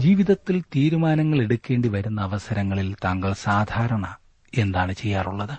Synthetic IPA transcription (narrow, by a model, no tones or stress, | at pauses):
d͡ʑiːʋiðɐt̪ːilt̪iːɾumaːnɐŋːɐɭe̞ɽukʲːe̞ːɳɖiʋɐɾunːɐːʋɐsɐɾɐŋːɐɭilt̪ɐŋɡɐɭsaːd̪ʱaːɾɐɳɐ | e̞nd̪aːɳɨt͡ɕe̞jːaːruɭːɐðɨ